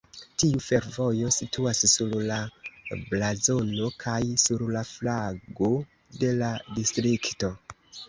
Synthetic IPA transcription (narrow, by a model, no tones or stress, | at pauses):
tiufe̞ɾvo̞jo̞situasːuɾlablazo̞no̞kʰajsuɾlaflaɡo̞ | de̞ladistɾikto̞